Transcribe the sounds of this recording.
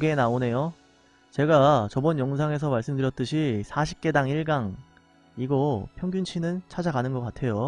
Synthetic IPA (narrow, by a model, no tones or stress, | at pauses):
koɡeːnaone̞jo | t͡ɕe̞ɡat͡ɕʌbʌnjʌŋs̬ʰaŋe̞s̬ʰʌmaɭs͈ɯmdɯɾjʌt̚t͈ɯɕʰisʰaɕʰi̥p̚k͈e̞daŋiɭɡaŋ | iɡʌpʰjʌŋɡjunt͡ɕʰinɯnt͡ɕʰad͡ʑaɡanɯnɡʌk͈atʰe̞jo